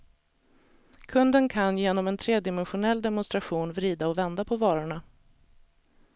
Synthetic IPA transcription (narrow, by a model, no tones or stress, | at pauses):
kʰɵnd̪ənkʰanjeːnɔmɛnt̪ʰɾeːd̪ɪmɛnɧʊnɛlːd̪ɛmʊnst̪ɾaɧuːnvɾiːd̪aɔvɛnd̪apʰɔvɑːɾʊɳa